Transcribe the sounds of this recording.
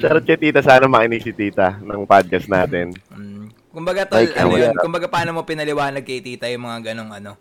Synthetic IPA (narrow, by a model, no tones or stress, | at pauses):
sɛɾ̚kɐt̪iːt̪ɐsaːnɐmɐʔɪniɡsɪt̪iːt̪ɐnɐŋpad̪̚ɡɐsnaːt̪ɛnm̩ | kʊmbɐɡat̪aj̰jokʊmbɐɡapɐaːnomopɪnɐlɪwaːnɐɡ̚kɐjt̪iːt̪ɐjʊŋmɐŋaɡɐno̞ŋʔɐno̞